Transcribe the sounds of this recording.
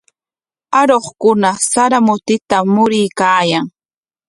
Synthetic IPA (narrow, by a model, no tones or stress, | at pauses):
aɾoχkʊnasaɾamʊt̪ɪt̪amʊɾɪjkaːjaŋ